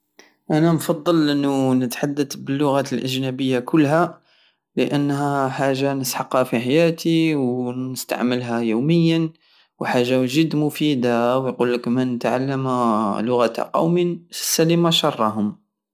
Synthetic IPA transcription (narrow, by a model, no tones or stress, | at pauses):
ʔænænfɑd̪ˤːəlʔənːunət̪ħad̪ːət̪bəlːʊɣæt̪əlʔəʒnæbəjːakʊlːɦæ | ləʔənːɦæħaʒːanəsħɑqhæfiħajæt̪ʰiwnəst̪a̰ʕməlɦæjuwməjːən | wħaʒːawʒəd̪mʊfid̪awjqulːəkmənət̪ʕa̰lːəmlʊɣæt̪qɑ̰wminsælimaʃɑrˤːɑɦʊm